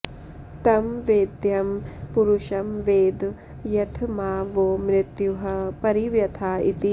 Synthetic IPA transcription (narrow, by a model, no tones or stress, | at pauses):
t̪ɐmʋeːd̪jɐmpuɾuʃɐmʋeːd̪ | jɐt̪ʰmaːʋoːmɾɪt̪juɦɐpɐɾiʋjɐt̪ʰaːit̪i